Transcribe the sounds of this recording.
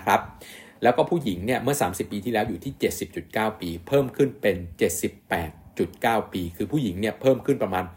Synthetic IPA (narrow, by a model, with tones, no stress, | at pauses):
kʰɾa˦˥p̚lɛː˦˥wkɔː˥˩pʰuː˥˩ji˩˦ŋni˥˩ɐmɯ˥˩ɐsaː˩˦msi˨˩pːiː˧t̪ʰiː˥˩lɛː˦˥wjuː˨˩iː˥˩t͡ɕe˨˩t̪̚si˨˩p̚t͡ɕu˨˩t̪̚kaː˥˩wpiː˧pʰɤː˥˩mkʰɯ˥˩npe˧nt͡ɕe˨˩t̪̚si˨˩pːɛː˨˩t̪̚t͡ɕu˨˩t̪̚kaː˥˩wpiː˧kʰɯː˧pʰuː˥˩ji˩˦ŋni˥˩ɐpʰɤː˥˩mkʰɯ˥˩npɾa˧maː˧n